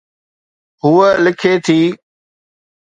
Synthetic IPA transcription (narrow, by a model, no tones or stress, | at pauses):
ɦuːəlɪkʰeːt̪ʰiː